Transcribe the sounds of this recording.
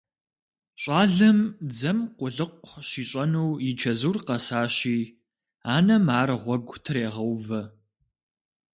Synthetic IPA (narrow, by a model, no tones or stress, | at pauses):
ɕʼaːɮɐmd͡zɐmqʷʊɮɨqʷɕiːɕʼɐnuwjɪt͡ʃʰɐzuːrqɐsaːɕiː | aːnɐmaːrʁʷɔɡʷtʰɨreːʁɐwvɐ